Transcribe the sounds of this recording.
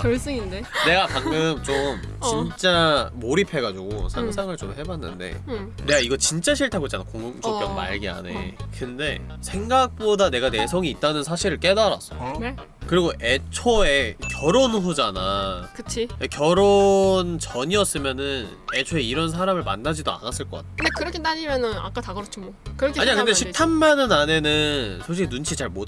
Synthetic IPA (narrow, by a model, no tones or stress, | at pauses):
kʌɭs͈ɯŋindene̞ɡapaŋɡɯmt͡ɕomt͡ɕint͡ɕ͈amoɾipʰe̞ɡad͡ʑuɡo̰sʰaŋsʰaŋɯɭt͡ɕomɦe̞banːɯ̰nde̞̰ne̞ɡaiɡʌt͡ɕint͡ɕ͈aɕʰiɭtʰaɡoit͡ɕ͈anakoŋɡumt͡ɕʰop͈jʌŋma̰ɭɡia̰ne̞̰kɯnde̞sʰe̞ŋɡak̚p͈odane̞ɡane̞sʰʌŋiːt̚t͈anɯnsʰaɕʰiɾɯɭk͈e̞daɾa̰s͈ʌjone | kɯɾiɡoʔet͡ɕʰoe̞kjʌɾonɦod͡ʑanakɯt͡ɕʰiekjʌɾont͡ɕʌɲiʌs͈ɯmjʌnɯn | e̞t͡ɕʰoe̞iɾʌns̬ʰaɾamɯɭma̰nːad͡ʑidoa̰nas͈ɯɭk͈ʌk͈a̰t̚ʰdekɯɾʌkʰetaɲimjʌnɯna̰k͈ataɡɯɾot͡ɕʰimokɯkaɲiakɯndeɕʰipsʰanmanɯnane̞nɯnsʰoɕ̬ʰinunt͡ɕʰit͡ɕaɭmot